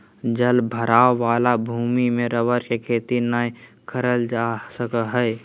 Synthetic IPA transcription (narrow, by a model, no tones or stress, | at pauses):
d͡ʒəlbʱəɾaːʋaːlabʱuːmimẽɾəʋəɾkekʰeːt̪inaːi | kʰəɾəld͡ʒasəkəɦː